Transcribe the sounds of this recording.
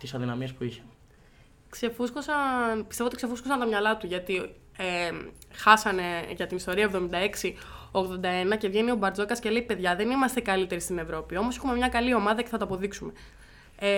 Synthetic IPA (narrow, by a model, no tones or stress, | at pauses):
t̪isɐðinɐmiespuiçe̥ | kse̞fuskosɐnpist̪eot̪ikse̞fuskosɐnt̪omɲɐlɐt̪uʝɐt̪i | exɐsɐne̞ʝɐt̪inist̪o̞ɾiɐevðo̞mind̪ɐe̞ksio̞ɣðo̞nd̪ɐe̞nɐce̞vʝe̞nio̞bɐɾd͡zo̞kɐsce̞le̞ipe̞ðʝɐðe̞nimɐst̪e̞kɐlit̪e̞ɾist̪ine̞vɾo̞pio̞mosexume̞mɲɐkɐlio̞mɐðɐce̞θɐt̪ɐɐpo̞ðiksume̞ | e